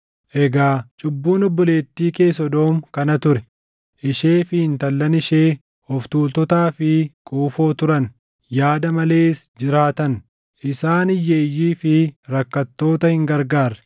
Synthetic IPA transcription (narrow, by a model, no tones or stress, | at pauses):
ʔɛɡaːt͡ʃʼʊbːuːnɔbːɔle̞ːt̪ːiːke̞ːsɔd̪o̞ːmkɐnɐt̪ʊɾɛ | ʔɪʃe̞ːfɪhɪnt̪ɐlːɐnɪʃeː | hɔft̪uːlt̪ɔt̪aːfɪkʼuːfo̞ːt̪ʊɾɐn | jaːd̪ɐmɐle̞ːɪsd͡ʒɪɾaːt̪ɐn | ʔɪsaːnɪjːeːjːiːfɪɾɐkːɐt̪ːo̞ːt̪ɐhɪŋɡɐɾɡaːɾɛ̥